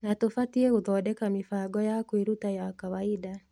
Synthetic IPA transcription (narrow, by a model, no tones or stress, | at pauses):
natofatiekuðɔdɛkamifaɡɔjakwiɾutajakawaida